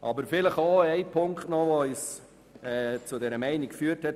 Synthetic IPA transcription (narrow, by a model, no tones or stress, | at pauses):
ʔɑ̰bəɾfɪləχoːɛɪpʰʊŋktnɔʋois | ɛt͡sʊdɛɾəmæɪnɪkfyːɾthɛt